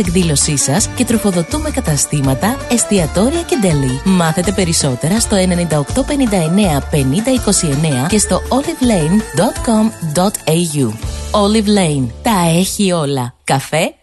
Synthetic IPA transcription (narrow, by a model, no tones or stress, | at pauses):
ekðilo̞sisɐsce̞t̪ɾo̞fo̞ðo̞t̪ume̞kɐt̪ɐst̪imɐt̪ɐe̞st̪iɐt̪o̞ɾiɐce̞d̪elimɐθe̞t̪e̞pe̞ɾiso̞t̪e̞ɾɐst̪o̞e̞ne̞nind̪ɐokt̪o̞pe̞nind̪ɐe̞ne̞ɐpe̞nind̪ɐiko̞sie̞ne̞ɐce̞st̪o̞olivlejnd̪ot̪komd̪ot̪eʝuo̞livlejnt̪ɐe̞çio̞lɐkɐfe̞